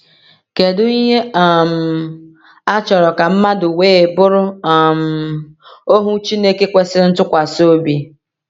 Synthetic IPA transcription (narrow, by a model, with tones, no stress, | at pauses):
ke˨dʊ˦i˦ɦe˦a˨m̩˨ | a˦t͡ʃɔ˨ɾɔ˨ka˨m̩˦ma˦dʊ˨weː˦˨bʊ˦ɾʊ˦˨m̩˨ | o˦ɦʊ˦t͡ʃi˦ne˦ke˦kʷe˦sɪ˦n̩˦tʊ˦kʷa˨so˦bi˨